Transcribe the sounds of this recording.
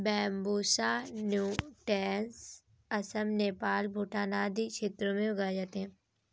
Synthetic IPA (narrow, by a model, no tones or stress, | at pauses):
bɛːmbuːsanjuːʈɛːns | ɐsəmneːpaːlbʱʊʈaːnaːd̪it͡ʃʰeːt̪ɾõmẽʊɡaːd͡ʒaːt̪eɦɛ̃ː